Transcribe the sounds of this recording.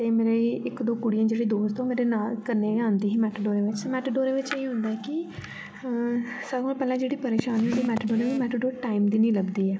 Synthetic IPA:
tt̪eːmeːɾeːɪkd̪oːkʊɽijãːd͡ʒeːɽeːd̪oːst̪õːmeːɾeːnaːlkəɾneːãːnd̪iːɦiːmɛːʈɖoːɾeːʋɪt͡ʃmɛʈɖoːɾeːʋɪt͡ʃeːiɦʊ̃nd̪aːɛkɪ | səbaːlpɛːlãːd͡ʒeːɽiːpəɾeːʃaːneɽeːmɛːʈɖoːɾeːʋimɛːʈɖoːɾʈaːɪmd̪iːnĩːləbd̪iːɛː

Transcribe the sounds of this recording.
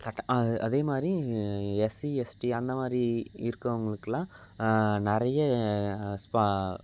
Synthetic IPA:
kɐʈːɐɐʔɐðeːmaːd̪ɾiɛsiɛsʈiɐnd̪ɐmaːd̪ɾiɪɾɯkːɐʋɐŋɡɐɭɯkːɯlãː | nɪɾɐjɐ | spa

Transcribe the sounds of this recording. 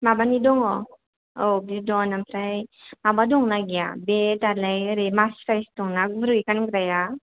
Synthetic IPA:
mabanidɔŋɔ | obidɔnampʰɾajmabadɔŋnaɡija̰betalajɾemaskajsdɔŋnaɡbɾɯjkanɡɾaja

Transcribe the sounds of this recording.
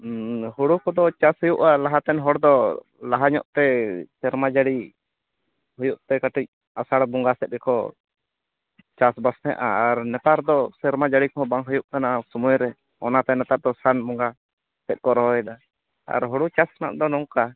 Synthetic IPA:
huɽukɔd̪ɔt͡ʃashɔjuʔalaɦat̪ɛnɦɔɽd̪ɔ | laɦaɲɔ̰ʔt̪ɛsɛɾmad͡ʒaɽi | hujuʔt̪ɛkaʈic̚ | asaɽbɔŋɡasɛt̪̚ɾɛkɔ | t͡ʃasbasnɛʔa̰ːɾnɛt̪aɾd̪ɔsɛɾmad͡ʒaɽikɔɦɔ̃baŋɦujuʔkanasɔmujɾɛ | ɔnat̪ɛnɛt̪aɾd̪ɔsanbɔŋɡa | sɛt̪̚ˀkɔɾɔɦɔɛd̪a | a̰ɾɦɔɽut͡ʃasana̰ʔd̪ɔnɔŋka

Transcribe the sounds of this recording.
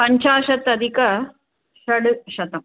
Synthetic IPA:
pɐɲt͡ʃaːʃɐt̪ɐd̪ʱikɐ | ʃɐɽɨʃɐt̪ɐm

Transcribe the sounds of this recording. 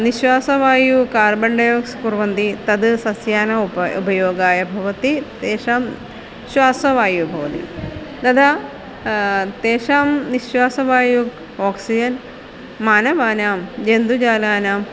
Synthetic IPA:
niɕʋaːsɐʋaːjukaːrbɐɳɖɐjoːkskurʋɐnd̪it̪ɐd̪ɨsɐsjaːnɐubɐjoːɡaːjɐbʱɐʋɐt̪it̪eːʂaːm | ɕʋaːsɐʋaːjubʱɐʋɐt̪ḭ | d̪ɐd̪a | t̪eːʂaːmniɕʋaːsɐʋaːju | oːksid͡ʑɐn | maːnɐʋaːnaːmd͡ʒend̪ud͡ʑaːlaːnaːm

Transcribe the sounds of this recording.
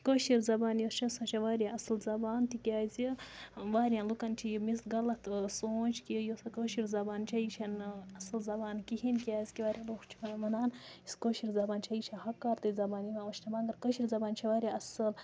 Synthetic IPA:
koʃiɾzɐbaːnjost͡ʃʰɐsɐ̃t͡ʃʰɐʋaːɾʲiʔɐslzɐbaːnt̪ikʲiaːzʲiʋaːɾjalukɐnt͡ʃʰijimisɡɐlɐt̪ʰsoːt͡ʃkijosɐkoʃiɾzɐbaːnt͡ʃʰɐit͡ʃʰɐnɐslzɐbaːnkihinkijaːzʲkiʋaːɾʲjɐluxt͡ʃʰimɐnaːniskoːʃiɾzɐbaːnt͡ʃʰɐit͡ʃʰɐhɐkːaːɾt̪ɨzɐbaːnimʲaʋɐʃnɐbaːŋɡɐɾkoʃiɾzɐbaːnt͡ʃʰɐʋaːɾʲiɐsɐl

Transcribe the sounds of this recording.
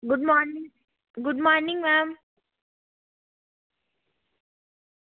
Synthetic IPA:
ɡʊɖ̚mɔːnĩŋ | ɡʊɖmɔːɾnɪ̃ŋmæːm

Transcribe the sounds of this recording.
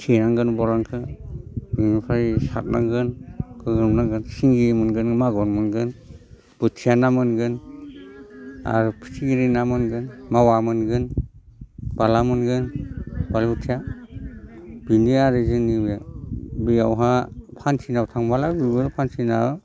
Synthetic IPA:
tʰiɾaŋɡɯnbɔlaŋkʰɯ | biŋipʰaɾisa̰t̚na̰ɡɯnkʰɯɡɯmnaɡɯnsiŋɡimɯnɡɯnmaɡɔnmɯnɡɯn | b̥ɯtʰijanamɯnɡɯn | a̰ɾupʰi̥tʰiɡiɾinamɯnɡɯnmawamɯnɡɯn | b̥alamɯnɡɯnbalutʰija | b̥iniaɾezɯnːiwjabijawɦapʰansʰinawtʰaŋbalabiɡɯɾpʰansʰina

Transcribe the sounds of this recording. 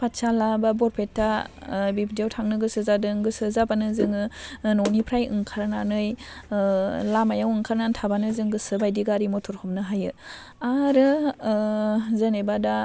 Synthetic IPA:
pʰatsalababɔɾpʰetːabibdijawtʰaŋnɯɡɯsɯzadɯŋɡɯsɯzabanɯzɯŋɯnɔwnipʰɾajɯ̰ŋkʰaɾnanɯj | lamajawɯŋkʰaɾnantʰabanɯzɯŋɡɯsɯbajdiɡaɾimɔtʰɔɾhɔmnɯɦajɯ | aɾɯ | zenebada

